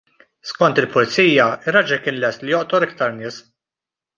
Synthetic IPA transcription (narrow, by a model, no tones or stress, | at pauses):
skɔnt̪ɪlpʊlɪt͡siːjɐɪrːɐd͡ʒɛkɪːnlɛst̪lɪjɔʔt̪ɔɾɪkt̪ɐɾnɪːs